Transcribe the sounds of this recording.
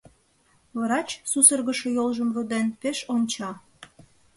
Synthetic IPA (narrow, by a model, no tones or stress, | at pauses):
βəɾɑt͡ɕsusərɣəʃojolʒəmβod̪enpeʃonʲt͡ɕɑ